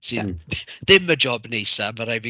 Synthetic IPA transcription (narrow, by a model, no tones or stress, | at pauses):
sa̰ðɪmːəd͡ʒɔbnejsaməɾajvi